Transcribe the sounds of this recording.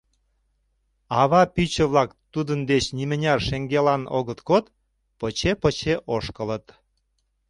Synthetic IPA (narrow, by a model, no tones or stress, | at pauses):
ɑβɑpyt͡ɕə̆βlɑkt̪ːud̪ənd̪et͡ɕnimə̆nʲɑrʃeŋɡelɑno̰ɣət̪kot̪ | pət͡ɕepət͡ɕeʔoʃkə̆lət̪